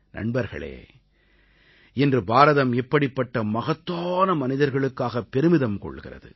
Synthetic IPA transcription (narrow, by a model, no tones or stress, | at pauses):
nɐ̰ɳbɐɾɣɐ̰ɭḛː | ɛndrɯbaːɾɐðɐmɛpːɐɽɪpːɐʈːɐmɐɣɐt̪ːoːnɐmɐnɪðɐɾɣɐɭɯkːaːɣɐpːɛɾɯmɪðɐmkɔ̰ɭːɣɪ̰rɐ̰ðɯ̰